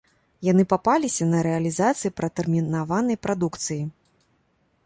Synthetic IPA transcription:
janɨpapalʲisʲɐnɐɾɛɐlʲizat̪sɨjipɾɐt̪ɛrmʲinavanɐjpɾʔad̪ukt̪sɨji

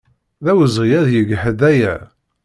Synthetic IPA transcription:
ðæwəzʁijæðjəɡħəðæjæ

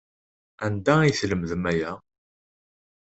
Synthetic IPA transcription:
ænd̪æiθləmðəmæjæ

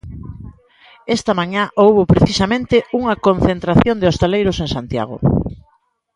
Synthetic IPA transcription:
est̪ɐmaɲaʔowβopɾeθisamẽnt̪euŋɐkõn̟θent̪ɾaθjond̪eost̪elejɾoseŋsant̪ja̰ɣ̞o̰

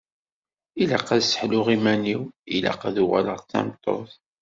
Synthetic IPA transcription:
ilaqːæðsə̥ħlʊʁimæniwila̰qːæðuʁæ̰ləʁθæ̰mt̪ˤːo̰θ

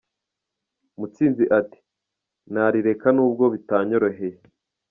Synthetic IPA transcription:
mut͡siːnziʔati̥ | naɾiɾe̞kanuːb̚ɡo̞βitaːɲo̞ɾoɦe̞je

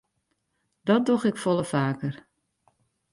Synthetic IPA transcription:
d̥ɔt̚doxɪkfɔlˠəfaːkər

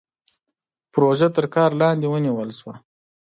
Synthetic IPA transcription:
pɾoʒat̪əɾkɑɾlɑnd̪ewəniwəlʃwa

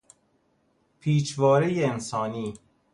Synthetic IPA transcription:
pʰiːt͡ʃvɒːɾejeensɒːniː

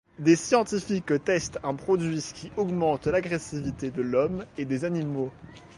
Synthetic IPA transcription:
d̪esjɑ̃t̪ifikt̪ɛst̪ɛ̃pχɔd̪ɥiskʲiʔɔɡmɑ̃t̪laɡʁesivit̪ed̪əlɔmed̪ezanimo

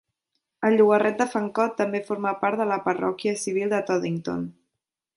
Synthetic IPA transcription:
əlʎːuɣərɛt̪̚d̪əfəŋkɔt̪ːəmbefoɾmapaɾt̪ðələpərɔ̰kiəsiβ̞ilˠd̪ət̪ɔðiŋt̪o̰n

